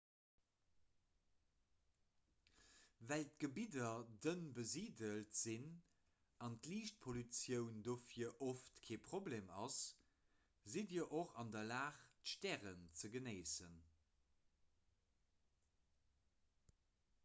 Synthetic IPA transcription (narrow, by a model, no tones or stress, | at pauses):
vælt̚ɡ̥əbidɐdənbəziːdəltz̥in | ɑntliːʃt̚pʰolyt͡sjəʊndoːfiɐʔoftkʰeːpʁ̥obleːmɑs | zidiəʔoχɑndɐlaːχtʃtɛːʁənt͡səɡənəɪsən